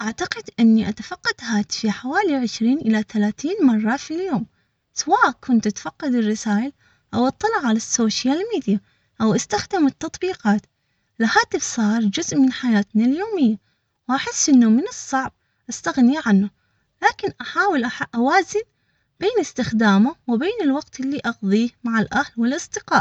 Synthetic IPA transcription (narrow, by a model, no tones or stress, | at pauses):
ʔaʕt̪aqɪd̪ʔɪnːiʔat̪afɑqːɑd̪haːt̪ɪ̥fiħawaːliʕɪʃɾiːnʔɪlaθalaːθiːnmɑrˤːɑfiljoːm | sawaːʔkʰʊnt̪ʔat̪ḁfɑqːɑd̪ɪrːɪsaːjɪ | ʔawʔɑt̪ˤːɑlʕʕːalasːoːʃalmiːd̪ija | ʔawʔast̪axd̪ɪmɪt̪ːɑt̪ˤbiːqɑːt̪ | lahaːt̪ɪfsˤɑːɾˤd͡ʒʊzʔmɪnħajaːt̪naljoːmɪjːa | wʔaħɪsːʔɪnːumɪnɨsˤːɑʕb̚ | ʔast̪aɣniʕanːa | laːkɪnʔaħaːwɪlʔaħʔawaːzɪn | b̥eːnɪst̪ɪxd̪aːmawɪbeːnɪlwɑɡt̪ʔɪlːiʔɑɣðˤiːhmaʕalʔahlwɪlʔɑsˤd̪ɪqɑːʔ